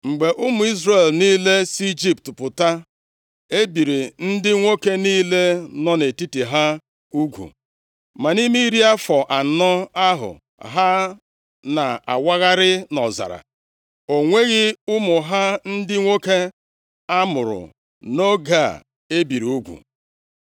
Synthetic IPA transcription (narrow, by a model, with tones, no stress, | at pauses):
ŋ͡m̩˨ɡ͡be˨ʔʊ˦mʊ˨i˦zre˦˨lniː˦le˦si˦d͡ʒi˦p̚tpʊ˨ta˦ | e˦bi˨ɾi˨n̩˦dɪ˦ŋʷo˦ke˦niː˦le˦nɔ˦ne˨ti˦ti˨ɦa˦ | u˦ɡʷṵ˨ | ma˨ni˦mi˦ɾi˦a˦fɔ˨ʔa˨nɔ˦a˦ɦʊ̰˨ | ɦa˦ | na˨a̰˨wa˦ɣa˦ɾɪ˦nɔ˨za̰˨ɾa̰˨ | o˨ŋʷe˦ɣɪ˦ʊ˦mʊ˨ɦa˦n̩˦dɪ˦ŋʷo˦ke˦ | a˦mʊ˨ɾʊ̰˨ | no˦ɡa˦˨ | e˦bi˨ɾi˨u˦ɡʷṵ˨